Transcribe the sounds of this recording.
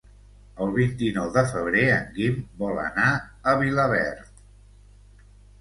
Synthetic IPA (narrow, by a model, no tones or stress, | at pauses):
əlˠβint̪inɔwðəfəβ̞ɾeəŋɡimbɔlə̰naəβiləβɛ̰ɾt̪